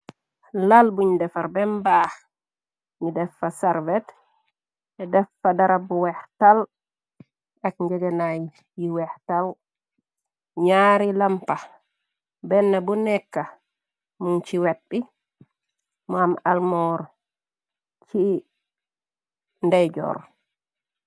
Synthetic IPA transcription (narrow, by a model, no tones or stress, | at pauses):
lalbuɲidɛfaɾbɛmbah | ɲidɛfːasɛɾvɛt | ʔɛdɛfːadaɾabuwɛhtal | ʔakɲd͡ʒɛɡɛnaj | jiwɛhtal | ɲaːɾilampa | bɛnːabunɛkːa | munt͡ʃiwaɗːi | mamalmɔɾ | t͡ʃi | ndɛjd͡ʒɔ̰ɾ